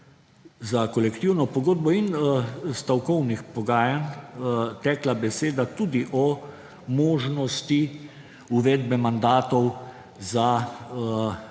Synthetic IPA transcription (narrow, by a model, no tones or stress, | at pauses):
zakɔlɛkt̪iwnɔpɔɡoːd̪̚bɔinst̪awkɔwnixpɔɡaːjan | t̪ɛːklabɛseːd̪at̪ud̪iʔɔ | moːʒnɔst̪i | uʋɛːd̪bɛmand̪aːt̪ɔw | za